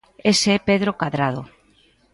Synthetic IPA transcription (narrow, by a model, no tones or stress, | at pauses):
eseɛpeðɾokaðɾaðo